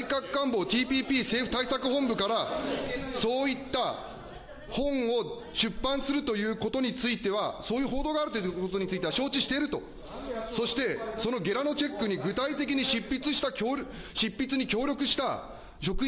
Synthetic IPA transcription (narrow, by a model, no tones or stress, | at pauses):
ikakkːãmbo̞ːt̪ʲiːpʲiːpʲiːse̞ːɸɯ̟̥t̪aisakɯ̟ɦõ̞mbɯ̟kaɾa | so̞ːit̪ːa | hõ̞ɴo̞ | ɕɨpːãɰ̃sɨɾɯ̟t̪o̞jɯ̟ːko̞t̪o̞ɲ̟it͡sɨit̪e̞βasoːjɯ̟ːɦo̞ːd̪o̞ːɡaːɾɯ̟t̪o̞kot̪o̞ɲ̟it͡sɨit̪eaɕo̞ːt͡ɕiɕi̥t̪e̞ɾɯ̟t̪o̞̰ | so̞ɕi̥t̪e̞so̞no̞ɡʲe̞ɾano̞t͡ɕe̞kːɯ̟ɲ̟iɡɯ̟t̪ait̪e̞k̬ʲiɲ̟iɕipːit͡sɨɕi̥t̪akʲoːɾɕipːit͡sɨɲ̟ikʲo̞ːɾʲo̞kɯ̟ɕi̥t̪a̰ | ɕo̞kɯ